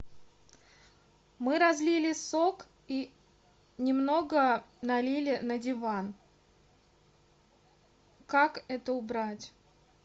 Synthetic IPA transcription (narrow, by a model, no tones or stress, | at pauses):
mɨɾɐzlʲilʲɪsok | i | nʲɪmno̞ɡənɐlʲilʲɪnədʲɪvan | kakɛt̪əʊbɾatʲ